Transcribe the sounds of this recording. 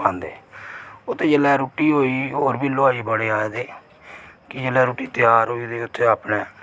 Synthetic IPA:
ãnd̪eː | ʊt̪ːeːd͡ʒəlɛːɾoːʈiːɦoːiːɦoːɾbiːloːaːiːbəɽeːaːed̪eː | kɪd͡ʒəlɛːɾuːʈiːt̪ɪjaːɾɦoːiːd̪eːʊt̪ʰːeːaːpneː

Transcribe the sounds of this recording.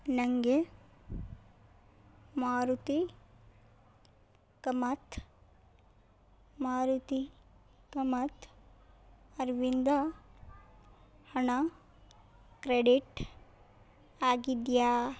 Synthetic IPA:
nɐŋɡe | maːɾut̪i | kɐmɐt̪ | maːɾut̪i | kɐmɐt̪ʰ | ɐɾʋind̪ɐ | hɐɳɐ | kɾeɖiʈ | aːɡid̪jaː

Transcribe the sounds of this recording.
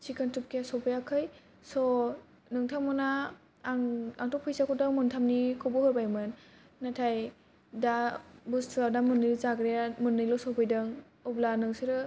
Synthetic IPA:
t͡ʃikʰantɯp̚kijasɔpʰɯjakʰɯj | sɔ | nɯŋtʰaŋmɔna | ŋaŋtʰɔpʰɯjsakʰɔdɯŋmɯntʰamnikʰɔbɔhɯɾbajmɯnː | atʰaj | dabustʰɯlawdamɯnɯlɔzaɡɾijamɯnːɯjlɔsɔpɯjdɯŋ | ɔblanɯŋsɯɾɯ

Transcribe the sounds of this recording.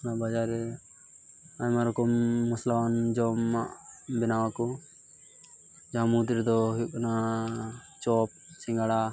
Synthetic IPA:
nabad͡ʒaɾɛ | aɲmaɾɔkɔmːɔslawand͡ʒɔmːaʔbɛnawakɔ | d͡ʒaɦamut̪iɾd̪ɔɦikna | t͡ʃɔp̚ | sĩŋɡaɽa

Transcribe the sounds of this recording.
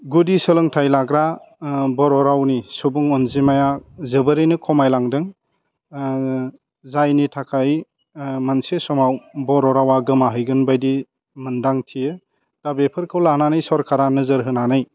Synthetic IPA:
ɡudisɯlɔŋtʰajlaɡɾabɔɾɔɾawnisubuŋɔnzimajazɯbɯɾenɯkʰɔmajlaŋdɯŋ | zajnitʰakʰaj | mansesɔmawbɔɾɔɾawaɡɯmaɦɯjɡɯnbajdi | mɯndaŋtʰijɯ | d̥abepʰɯɾkʰɯwlananajsɔɾkʰaɾanɯzɯɾɦɯnanaj

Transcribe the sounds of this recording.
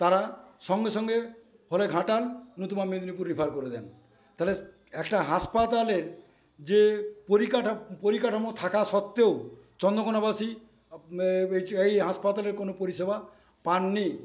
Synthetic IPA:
t̪aɾaʃɔŋɡeʃɔŋɡe | holeɡʱaʈalnut̪umamed̪unipuɾːipʰaɾkoɾed̪ɛn | t̪ale | ɛkʈaɦaspat̪aleɾ | d͡ʑepoɾikaʈapoɾikaʈʰamot̪ʰakaʃɔt̪ːeot͡ɕɔnd̪okonabasi | eejɦaspat̪aleɾkonopoɾiʃeba | panːi

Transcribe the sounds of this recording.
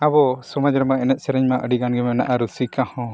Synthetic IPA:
abɔsɔmad͡ʒɾɛmaɛnɛt̪̚sɛɾɛɲmaʔəɖiɡanɡɛmɛna̰ʔaɾusikahɔ̃

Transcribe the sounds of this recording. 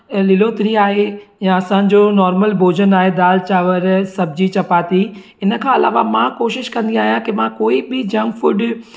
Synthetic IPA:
lɪloːt̪ɪɾiaːɦejãɐsã̆ːd͡ʑonɔːɾməlbʱoːd͡ʑənaːɦed̪aːlt͡ɕaːʋəɾsɐbʱɪd͡ʑit͡ɕɐpaːt̪i | ɪnəkʰãːɐla̰ːʋa̰mãkoːʃɪʃkɐ̃nd̪iaːɦijãkɪmãkoːibɪd͡ʑɐ̃ŋɡfʊɖ

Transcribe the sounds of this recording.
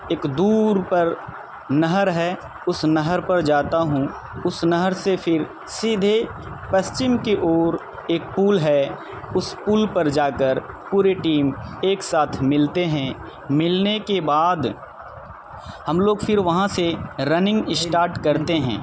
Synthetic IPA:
eːkd̪uːɾpɐɾ | nɐɦəɾɦɛː | ʊsnɐɦəɾpɐɾd͡ʒaːt̪aɦũ | ʊsnɐɦəɾsepʰɪɾ | siːd̪ʱe | pɐst͡ʃɪmkeʔoːɾ | eːk̚puːlɦɛ | ʊspuːlpɐɾd͡ʒaːkəɾ | puːɾeʈiːmeːksaːt̪ʰmɪlt̪eɦɛ̃ | mɪlnekebaːd̪ | hɐmloːɡfʰɪɾʋɐɦãseɾɐnɪ̃ŋɡɪsʈaːɾʈkɐɾt̪eɦɛ̰̃ː

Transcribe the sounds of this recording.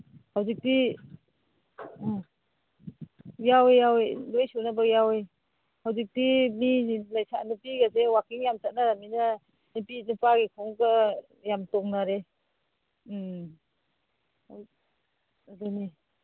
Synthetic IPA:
hawzik̚di | jawjawlojsunabajawej | hawzik̚dimilajsa̰nupiɡazewakiŋjamtat̚naɾamina | nipinupaɡikʰɔŋka | jamtɔŋnaɾe | dɔni

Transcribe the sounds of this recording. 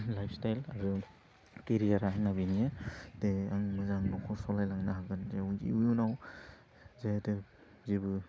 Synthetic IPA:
lajpʰstajlaɾu | keɾizaɾaŋnaβinijadeaŋmɯzaŋnɔkʰɔsɔlajlaŋnaɦaɡɯnzeuḭujunaw | zete | zibɯ

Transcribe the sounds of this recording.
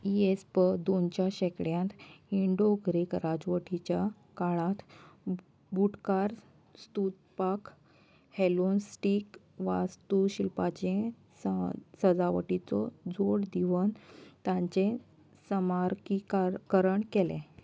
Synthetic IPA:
iespəd̪ont͡ɕjaɕekɽjãnt̪iɳɖoɡɾekɾad͡zʋəʈit͡ɕja | kaɭãt̪ | bʱuʈkaɾ | st̪ut̪̚pak | helonsʈik | ʋa̰st̪uɕilpat͡ɕẽ | ssəd͡zaʋə̰ʈit͡sɔ̰d͡zoɽd̪iʋənt̪jãɲt͡ɕẽ | səmaɾkikakəɾəɳkɛlɛ̰̃

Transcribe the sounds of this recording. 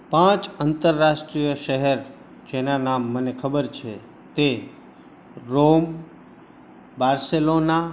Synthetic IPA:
pãt͡ʃənt̪əɾːaʃʈɾijəʃəɦɛɾ | d͡ʒenanamːənekʰəbəɾt͡ʃʰe | t̪e | ɾom | baɾselona

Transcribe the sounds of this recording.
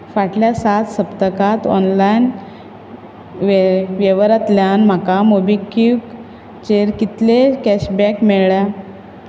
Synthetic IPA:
faʈljasat̪səpt̪əkat̪ɔ̰nlajn | ʋʋeʋəɾat̪ljanm̤akamobikik | t͡ɕeɾkit̪lekæɕbɛkmeɭɭja

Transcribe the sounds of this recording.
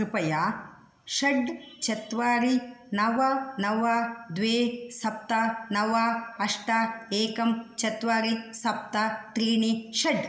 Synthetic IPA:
upɐja | ʃɐɖt͡ʃɐt̪ʋaːɾinɐʋɐnɐʋad̪ʋeːsɐp̚t̪ɐnɐʋaːɐʂʈaeːkɐmt͡ʃɐt̪ʋaːɾisɐp̚t̪ɐt̪ɾiːniʃɐɖ

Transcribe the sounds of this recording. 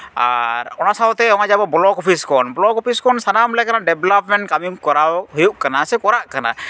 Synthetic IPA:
a̰ɾɔnasawt̪ɛɔŋ̃ad͡ʒabɔblɔkɔpʰiskɔnbɔlɔkɔpʰiskɔnsanamlɛkanaɖɛblapmɛɳʈ̚kamimkɔɾawɦojuʔkanasɛkɔɾaʔkana̰

